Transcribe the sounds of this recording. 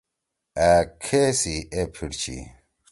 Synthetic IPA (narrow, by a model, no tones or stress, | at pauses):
ækʰesiepʰiɽt͡ɕʰḭ